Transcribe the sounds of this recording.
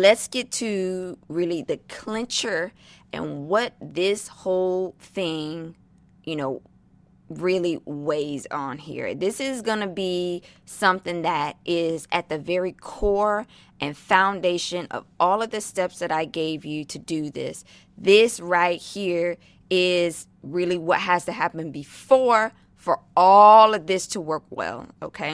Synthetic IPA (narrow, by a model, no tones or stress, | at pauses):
lɨtsɡ̥ɛtʰɨɹɪlˠiðɨkʰl̥ɪ̃nt͡ʃə˞ʔɨ̰̃nwʌt̪̚ðɪshoʊlˠθɪ̃ŋ | jɨnoʊ | ɹɪlˠiweɪzn̩ɦḭɹðɪsɪzɡʌnɨbisʌ̃mθɪ̃ŋðɨɾʔɪzɨt̪̚ðɨvɛɹikʰɔɹ | ʔɨ̃nfãʊ̃ndeɪʃɨ̃nʌ̰vʔɔlˠʌvðɨstɛpsðɨɾaɪɡeɪvjɨɾɨdɨðɪ̰s | ðɪsɹaɪt̚hiɹ | ɪz̥ | ɹɪlˠiwʌt̚ɦɨz̥tɨɦæpɨ̃nbɨfɔɹ | fə˞ | ɔlˠʌvðɪstʰəwɜ˞kwɛ̰lˠoʊkʰeɪ